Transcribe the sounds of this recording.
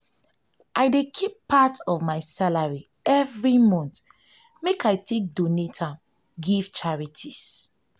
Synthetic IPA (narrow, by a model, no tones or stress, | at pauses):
ʔaɪdekʰipːatɔvmaɪsalaɹi | ɛvɹimɔ̃nt | mekʰajtʰek̚donetʰa | ɡiv̥t͡ʃaɹitʰis